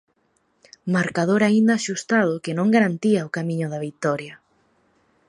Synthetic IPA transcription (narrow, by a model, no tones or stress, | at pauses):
maɾkaðoɾaind̪aːʃust̪aðʊkenõŋɡaɾant̪iaokamĩɲʊðaβit̪ɔɾjɐ